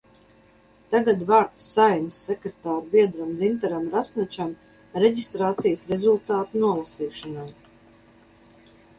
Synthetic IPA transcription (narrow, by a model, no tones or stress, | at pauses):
t̪aɡad̪vaːɾt̪sːajmsːekɾet̪aːɾbiɛd̪ɾamd̪zint̪aɾamɾasnat͡ʃam | ɾɛd͡ʑist̪ɾaːt̪sijəsɾezulˠt̪aːt̪unuɔlˠasiːʃɔnaj